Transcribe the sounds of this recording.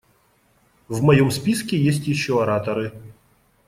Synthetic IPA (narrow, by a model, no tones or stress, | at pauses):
vmɐjɔmspʲiskʲɪjesʲtʲjɪɕːɔɐɾat̪ɐɾɪ